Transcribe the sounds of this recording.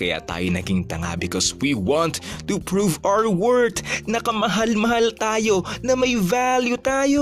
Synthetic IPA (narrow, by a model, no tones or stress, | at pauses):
kɐja̰t̪a̰ːjonɐ̰ɡiŋt̪ɐŋa̰bɪkɔswiwɑ̃nt̪ːupɹuːvawəɹwɛɹd̪nɐkɐmɐɦalmɐhalt̪aːjo̞nɐmɐjvaljut̪aːjo